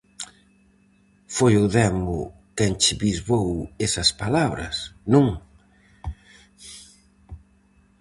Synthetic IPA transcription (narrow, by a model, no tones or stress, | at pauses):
fojʊðɛmʊ | kɛŋt͡ʃɪβizβowɛsɐspalaβɾɐ̰snõŋ